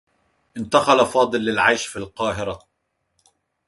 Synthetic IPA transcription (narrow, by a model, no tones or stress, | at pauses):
ʔɪnt̪axalafɑːd̪ˤɨlːɪlʕajʃfilqɑːɦɪɾa